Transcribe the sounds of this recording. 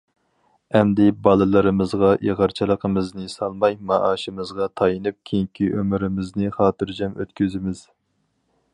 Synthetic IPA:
ɛmd̪ɪbɑlˠɨlˠɨɾɨmɨzʁɑʔeʁəɾt͡ʃʰilˠəqʰəmɨznɨsɑlˠmɑjmɑʔɑːʃɨmɨzʁɑt̪ʰɑjɨnɨp̚kʲʰeŋkʲʰiʔømyɾɪmɪznɨχɑːt̪ɨɾd͡ʒɛmø̰t̪̚kʲyzɪmɪz̥

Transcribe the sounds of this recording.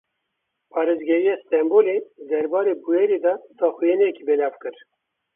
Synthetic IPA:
pʰɑːɾezɡɛɾijɑːst̪ɛmboːled̪ɛɾbɑːɾeːbujeɾed̪ɑːt̪ɑːxujenɛɛkiːbɛlɑːvkɨɾ

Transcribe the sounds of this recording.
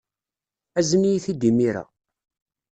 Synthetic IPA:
æzənijiθid̪imiɾæ̰

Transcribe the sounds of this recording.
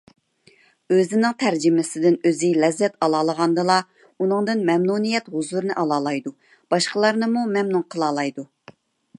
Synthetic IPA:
øzɪnɪŋt̪ʰæɾd͡ʒɪmɪsɪd̪ɪnøzɪlɛzːɛt̪ɑlˠɑːlˠəʁɑnd̪ɨlˠɑ | unɨŋd̪ɨnmɛmnunijɛt̪ɦʊzuɾnɨʔɑlˠɑːlˠɑjd̪u | b̥ɑʃqəlˠɑɾnɨmumɛmnuŋqʰəlˠɑːlˠɑjd̪u

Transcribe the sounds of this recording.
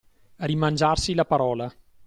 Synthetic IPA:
rimand͡ʒarsilapaɾɔːla

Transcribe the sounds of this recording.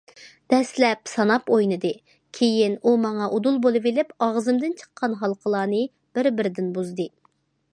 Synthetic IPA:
d̪̥ɛslɛpsɑnɑpojnɨd̪ɨ | kʲʰejinumɑŋɑʔud̪ulˠbolˠɨvelɪpɑʁzɨmd̪ɪnt͡ʃʰə̥qʰːɑnɦɑlˠqʰəlˠɑːnɨ | b̥ɪɾbɪɾɪd̪ɪnbuzd̪ɨ

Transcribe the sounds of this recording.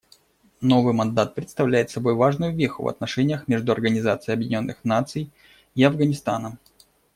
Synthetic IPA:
no̞vɨjmɐnd̪at̪̚pɾʲɪt̪st̪ɐvlʲæjɪt̪sɐbo̞jvaʐnʊjʊvʲexʊ̰vɐ̰t̪nɐʂɛnʲɪjəxmʲeʐd̪ʊɐrɡənʲɪzat̪sɨjɐbjɪdʲɪnʲo̞nːɨxnat̪sɨj | iɐvɡənʲɪst̪anəm

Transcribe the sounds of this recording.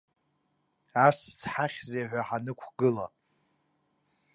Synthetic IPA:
ast͡sʰħaχʲzejħʷᶣaħanɨkʷʰɡɨla̰

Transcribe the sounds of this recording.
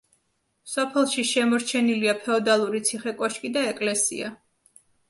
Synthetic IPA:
sɔpʰɛlˠʃiʃɛmɔɾt͡ʃʰɛniliapʰɛɔd̪alˠuɾit̪sʰiχɛkʼɔʃkʼid̪aɛkʼlɛsḭa̰

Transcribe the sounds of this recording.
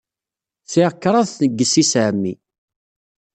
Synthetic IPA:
θiʁəkːɾˤɑðnəɡːəsisæʕmːi

